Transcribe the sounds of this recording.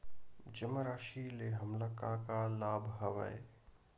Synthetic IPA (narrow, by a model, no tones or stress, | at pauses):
d͡ʒəməɾaːʃileɦɐmlakãkalaːbʱɦɐʋa̰e